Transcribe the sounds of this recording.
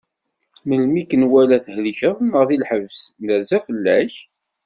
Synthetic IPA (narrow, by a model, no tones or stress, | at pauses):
məlmikənwælæθhliçæθnəʁðilħəvsnæzæfəlːæç